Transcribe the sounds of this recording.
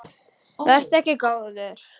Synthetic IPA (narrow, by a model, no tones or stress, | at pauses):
vɛr̥st̪ɛhcɪkaːwðʏlɛɾ̥